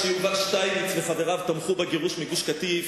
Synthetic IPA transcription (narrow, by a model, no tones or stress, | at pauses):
ʃiuvaʃt̪ajmit͡sveχadeʁavt̪amχubaɡiʁuʃmiɡuʃkat̪iv